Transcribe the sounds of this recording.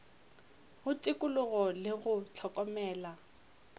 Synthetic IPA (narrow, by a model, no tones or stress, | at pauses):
hʊtʼɪkʼʊlʊɣɔlɪɣʊt͡ɬʰɔkʼɔmɛːla